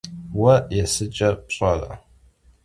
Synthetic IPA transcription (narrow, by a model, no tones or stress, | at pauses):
wɐjɛsɨt͡ʃʼɐpɕʼɐrɐ̰